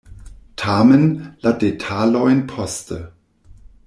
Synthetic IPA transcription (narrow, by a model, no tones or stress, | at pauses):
tʰaːmənladetʰaːlɔɪnpʰɔstʰə